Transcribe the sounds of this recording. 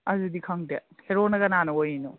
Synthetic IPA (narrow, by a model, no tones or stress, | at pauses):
ɐzudikʰɐŋdeheɾonɐɡɐnanɐojino